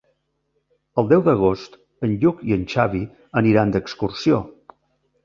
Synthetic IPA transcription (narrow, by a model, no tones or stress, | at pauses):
əlˠd̪ɛwd̪əɣ̞ost̪ | ənʎukiənʲt͡ʃaβi | əniɾand̪əkskursio